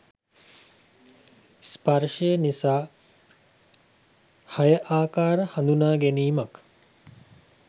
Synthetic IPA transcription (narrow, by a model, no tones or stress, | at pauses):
spɐɾʂejənisaː | hɐjəʔaːkaːɾəhand̪unaːɡeniːmɐk